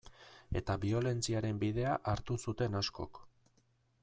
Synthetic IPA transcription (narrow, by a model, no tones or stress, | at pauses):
e̞̰t̪aβio̞le̞nt͡siaɾe̞mbið̞e̞aʔaɾt̪usut̪e̞nasko̞̰k